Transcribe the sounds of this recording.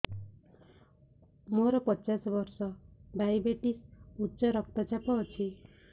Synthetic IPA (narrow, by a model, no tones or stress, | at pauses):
moɾɔpɔt͡ʃasɔbɔɾsɔbajbeʈisutːt͡ʃɔɾɔkʰt̪at͡ʃapɔːt͡ʃʰi